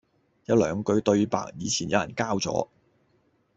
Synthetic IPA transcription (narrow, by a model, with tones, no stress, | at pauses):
jɐ˨˧˥wlœː˨˧ŋkɵ˧ɥt̪ɵ˧ɥpa̰ː˨k̚jiː˨˧t͡sʰiː˨˩njɐ̰˨˧wjɐ˨˩nkaː˥wt͡sɔ̰ː˨˥